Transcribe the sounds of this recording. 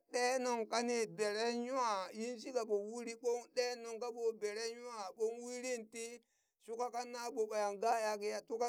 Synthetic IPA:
ɗe˦no˨ŋka˦ni˨be˨ɾe˦ɲu˦a˦˨ji˦nsi˦ka˨ɓo˨wi˦ɾi˦ɓo˦ŋɗe˦no˨ŋka˦ɓo˨be˨ɾe˦ɲu˦a˨ɓo˦nwi˦ɾi˦nti˦ | su˦ka˦ka˦na˦ɓo˨ɓa˨ja˨ŋɡa˦˨ja˦ki˦ja˨tu˦ka˦

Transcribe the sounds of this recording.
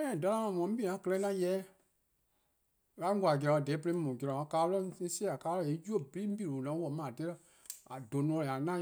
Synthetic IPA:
ɛ̃˦˨da˧lã˦mã˧˨mɔ̃˧˦bi˦˨ã˨˦kə˧lɛ˧˦ã˦jɛː˨˦ | la˦ɡʷa˨ɡɛ˧ɔ̃˨˧a˨dɛː˨˦pə˧e˧˦mũ˨ɡɛ˧˨ɔ̃˨a˨˦kaː˨˦ɔ˦˧˦sɛ˦a˨kaː˦lɔ̃˦˨je˨˦d͡ʒu˦o˦˨bi˨˦i˦bi˦˨ɾo˨nã˨˦wɔ˨˦mãː˨te˦ɾɛ˦ | a˨do˨nɔ̃˧la˨nã˦

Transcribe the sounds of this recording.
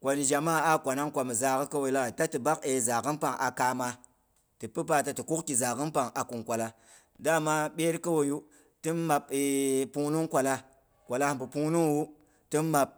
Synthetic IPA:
kʷo˨nʒa˨ma˦a˦kʷa˨na˦ŋkʷa˨mi˨za˨kə˦ka˦wo˨˦la˦˨ta˦tɨ˨ba˦ke˨za˨kɨ˦npa˨ŋʔa˨ka˦ma˧ | tɨ˨pɨ˦p̬a˦ta˦tɨ˨ku˦kki˨za˨kɨ˦npa˨ŋa˨ku˨ŋkʷa˨la˨ | da˦ma˦ɓe˦ɾkə˦wo˨ju˦ | ti˦nma˨pi˨˦pu˦nu˦ŋkʷa˨la˦ | kʷa˨la˦bu˨pu˦nu˦ŋwu˦ | ti˦nmːa˨p̚

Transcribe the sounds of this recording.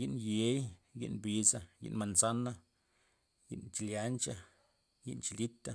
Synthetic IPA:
ji˦ʔnje˨˦jɡḭ˧ʔnbi˨˧sa˧ɡḭ˧ʔnma˨nsa˦na˦ | jḭ˦˧ʔnt͡ʃi˨lja˨˧˦nt͡ʃa˦ | jḭ˦ʔnt͡ʃi˧li˦t̪a˦

